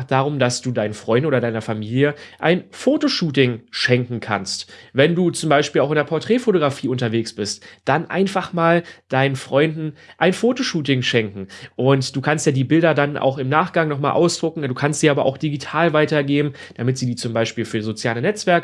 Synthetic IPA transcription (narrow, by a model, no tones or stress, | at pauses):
χd̥aːʁʊmdasd̥uːdaɪnənfʁ̥ɔʏndn̩oːɐdaɪnɐfamiːljəʔaɪnfoːtoʃuːtɪŋʃɛŋkŋ̩kʰa̰nstvɛnduːt͡sʊmbaɪʃpiːlaʊxɪndeːɐpʰɔɐtʁ̥ɛːfotoɡʁafiːʊntɐveːksb̥ɪstd̥anʔa̰ɪnfaχmaːld̥aɪnənfʁ̥ɔʏndn̩ʔaɪnfoːtoʃuːt̬ɪŋʃɛŋkŋ̩ʔʊntd̥uːkʰanstjaːdiːbɪldɐdanʔa̰ʊxɪmnaːχɡ̥aŋnɔχmaːlʔa̰ʊsd̥ʁʊkŋ̩duːkʰanstiːʔaːbɐʔa̰ʊxd̥iɡitʰaːlvaɪtɐɛɡeːbm̩ | d̥amɪtz̥iːdiːt͡sʊmbaɪʃpiːlfyːɐzot͡sjaːlənɛt͡sv̥ɛɐk